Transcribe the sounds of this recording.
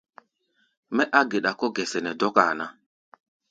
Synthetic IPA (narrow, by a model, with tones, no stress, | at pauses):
mɛ˦ʔa˦ɡe˨ɗa˨kɔ˦ɡɛ˨sɛ˨nɛ˨dɔ˦ka̰˨na˨